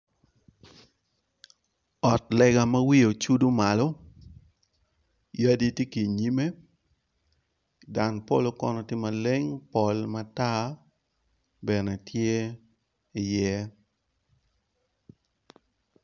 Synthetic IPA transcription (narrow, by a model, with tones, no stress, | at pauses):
ɔ˨tlɛ˨ɡa˨ma˦wi˦o˨t͡ʃu˦du˦ma˨lɔ˦ | ja˦di˦tje˦ki˨ɲi˦me˦ | da˨npo̰˦˨lo˦kɔ˦nɔ˨tjɪ˦ma˨le˦ŋpɔ˨lma˦ta˦ | bɛ˨nɛ˨tʰje˦ | ɪ˨jɛ˦